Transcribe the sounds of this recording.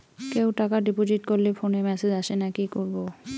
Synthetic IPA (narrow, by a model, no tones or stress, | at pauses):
kewʈakaɖipod͡ʑiʈkoɾlefʰonemɛsed͡ʑaʃenakikoɾbo